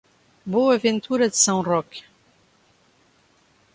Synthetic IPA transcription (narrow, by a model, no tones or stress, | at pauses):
boavɛ̃nt̪yɾad̪əsãrɔk